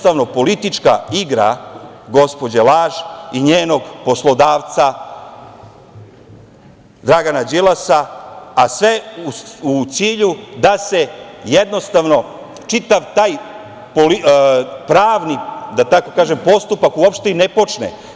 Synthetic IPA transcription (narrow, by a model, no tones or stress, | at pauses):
t̪aʋno̞po̞lit̪it͡ʃka̰iɡɾa̰ | ɡo̞spo̞d͡ʑelaːʒiɲeːno̞ɡpo̞slˠo̞d̪aːʋt̪sa | d̪ɾaɡanad͡ʒilasaː | sʋe̞uut̪siːʎud̪ase̞jed̪no̞st̪aʋno̞ | t͡ʃit̪aʋt̪aːj | polipɾaːʋnid̪at̪ako̞kaːʒempo̞st̪upakuopʃt̪einepo̞t͡ʃnḛ